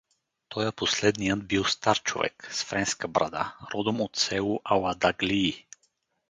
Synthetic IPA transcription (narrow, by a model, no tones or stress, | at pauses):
t̪ʰɔjəposlɛd̪nijəd̪bilˠst̪aɾt͡ʃo̰vɛ̰ksfɾɛnskəbɾʔa̰d̪a̰ɾɔd̪omot̪sɛlˠuʔawad̪aɡliː